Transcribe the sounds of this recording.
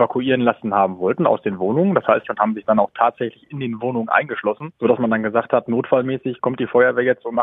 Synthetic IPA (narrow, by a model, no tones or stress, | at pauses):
vakʰuʔiːʁənlasn̩haːbm̩vɔltn̩a̰ʊsd̥eːnvoːnʊŋənd̥ashaɪstʊnthaːbm̩zɪçd̥anaʊxtʰaːtz̥ɛçlɪçɪndeːnvoːnʊŋənʔa̰ɪnɡəʃlɔsn̩z̥oːɾasmandanɡəzaːkthatnoːtfalmɛːsɪçkʰɔmtd̥iːfɔʏɐvɛːɐjɛt͡stʊntma